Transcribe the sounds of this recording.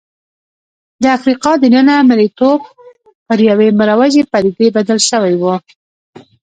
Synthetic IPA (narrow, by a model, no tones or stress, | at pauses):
d̪əafɾiqɑd̪ənənaːmalit̪ob̚ | pəɾjaweməɾawaʒepaɾiɡebad̪alʃəwajwu